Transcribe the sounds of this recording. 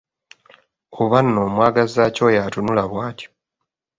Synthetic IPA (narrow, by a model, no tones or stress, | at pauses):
oβanːoːmwaːɡazaco̞jatunulaβwaːco̥